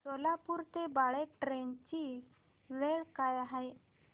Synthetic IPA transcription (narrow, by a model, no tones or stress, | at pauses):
solapuɾt̪ebaɭeʈɾent͡ɕi | ʋeɭkajaɦaj